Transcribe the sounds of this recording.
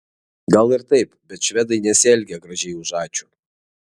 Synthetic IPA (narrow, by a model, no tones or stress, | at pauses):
ɡɐlˠɪɾt̪ɐɪpbʲɛt̪ʃʲʋʲɛd̪ɐɪnʲɛsʲɛlʲɡʲɛɡɾɐʒʲɛɪʊʒɑːt͡ʃʲu̥ː